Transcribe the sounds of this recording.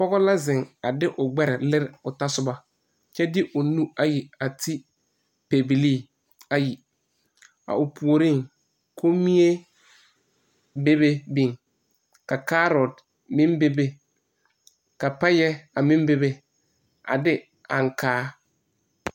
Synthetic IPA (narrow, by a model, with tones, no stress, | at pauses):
pɔ˦ɣɔ˦la˦zɪ˨ŋa˨dɪ˦ʔʊ˨ɡ͡bɛ˦ɾɪ˨lɪ˦ɾɪ˨ʊ˨ta˦sʊ˦ba˦ | t͡ʃɛ˦dɪ˦ʔʊ˨nu˦a˨ji˨a˨tʰɪ˦ | pe˨bi˨liː˦˨ | a˨ji˨ | a̰˨ʊ˨pʰu˨o˨ɾi˦˨ŋ | kʰo˦mi˦e˦ | be˦be˦bi˨ŋ | ka˨ka˦ɾɔ˨d | mɪ̃˦mbe˦be˦ | ka˨pɛ˦jɛ˦a˨mɪ̃˦mbe˦be˦ | a̰˨dɪ˦ | a˨ŋkʰaː˦